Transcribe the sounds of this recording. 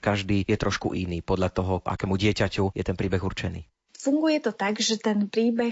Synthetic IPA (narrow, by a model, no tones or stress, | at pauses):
kaʒd̪iːjɛt̪ɾɔʃkṵʔiniːpɔd̪ʎat̪ɔɦɔʔa̰kɛːmuɟɪɛcacujɛt̪ɛnpɾiːbɛɣurt͡ʃɛnḭː | fuŋɡujɛt̪ɔt̪aɡʒɛt̪ɛnpɾiːbɛ